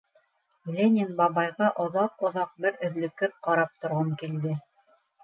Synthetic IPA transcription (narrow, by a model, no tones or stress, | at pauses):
lʲenʲɪnbɑβɑjʁɑʔŏðɑqŏðɑq̚bɘɾɵ̆ðlɵ̆kːɘðqɑɾɑp̚t̪ŏɾʁɤmkild̪ɘ